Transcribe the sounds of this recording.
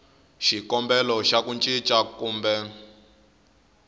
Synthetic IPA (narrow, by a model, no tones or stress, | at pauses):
ʃikɔmbɛlɔʃakunt͡ʃʼit͡ʃʼakuːmbɛ